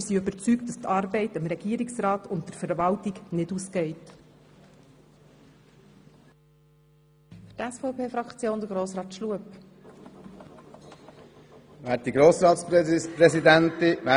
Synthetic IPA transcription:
siøbəɾt͡sykt̚d̥ɑst̪ʰɑːɾbɛɪtəmɾɛɡ̥iəɾɪksɾɑːtʊntd̥əɾfəɾvɑltiɡnɪduːsɡ̥ɛɪt | fʏtæsfɔʊpʰeːfɾɑkt͡sjoːnd̪əɡɾoːsɾɑːt̪ʃluəp | væːt̚diɡɾoːsɾɑːt̪spɾɛsid̪ænt̪ɪʋæ

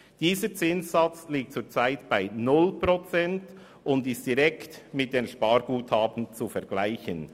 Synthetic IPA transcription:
d̥iːsət͡sɪnssɑt͡sliːk̚tt͡suːt͡saɪtb̥aɪnʊlpɾot͡sɛnt | ʊndɪst̚d̥iɾɛktmɪt̚d̥eːnʃpɑːɾɡ̥uːthɑːbən̩t͡sufɛɾɡ̥laɪçən

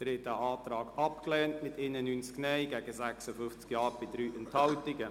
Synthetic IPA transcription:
d̥ɾɪtəʔɑːtɾɑːɡ̥ɑp̚klɛːntmɪtɪnənyːnt͡sknɛɪɡɛːɡəzɛksəfʏft͡skjɑːɾb̥ɪdɾyːʔɛnthɑltɪɡə

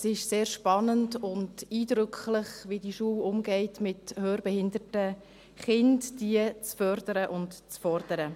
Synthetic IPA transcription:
sɪʃseːɾʃpɑnəndʊndiːdɾʏkʰχlɪχʋidiʃuːwʊmɡɛɪtmɪthøːɾbɛhɪndətə | χɪntdiət͡sfœɾdəɾəʔʊntt͡sfɔɾd̥əɾə

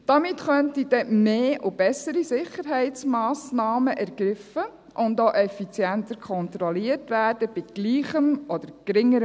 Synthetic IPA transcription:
d̥ɑmɪtχœntid̥ɛmeːʔʊb̥ɛsəɾisɪχəɾɦɛɪt͡smɑːsnɑːməʔɛɾɡ̥ɾɪfə | ʔʊndoːʔɛfit͡sjɛntəɾkʰɔnt̪ɾɔliəɾtʋæːrd̥əb̥ɪɡ̥liːχəmɔd̪əɾɡ̥ɾɪŋːəɾə

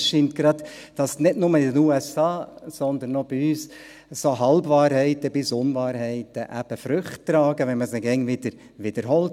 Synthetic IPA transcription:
ʃiːnt̚ɡ̥ɾɑd̪d̥ɑsnɪdnʊməɪdənuːɛsɑːsɔnd̪ənːɔb̥iyːs | soɦɑlbʋɑːɾhɛɪtəbɪsʊnvɑːɾhɛɪtəʔæb̥əfɾʏχtːɾɑːɡəʋɛnməsɛɡɛŋvɪd̥əɾ | ʋɪd̥əɾɦɔlt

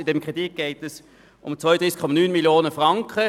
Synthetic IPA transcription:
ɪdɛmkʁ̥edit̚ɡ̥ɛɪtɛs | ʔʊmt͡sʋɔjəd̥ʁiːskʰːɔmɑnyːnmiljoːnəfʁɑŋkχə

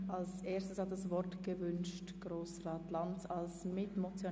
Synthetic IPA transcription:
ʔalsʔeːstəshatdasvɔʁtɡ̥əvʏnʃtɡ̥ʁoːsʁaːtlantsalsmɪtmot͡sjo

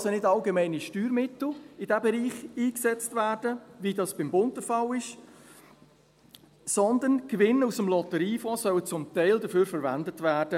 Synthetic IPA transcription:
ɑsonɪdɑlɡemɛɪniʃtyːɾmɪtl̩ɪd̥æbɛɾiːχiːksɛt͡stvæːrd̥əvidɑːsb̥ɪmbʊntəfɑlɪʃ | sɔnd̪ənɡ̥vɪnusəmlɔtəɾiːfɔːsœwət͡sʊmtɛæɪldəføːɾfəɾvæ̰ndətvæːrd̥ə

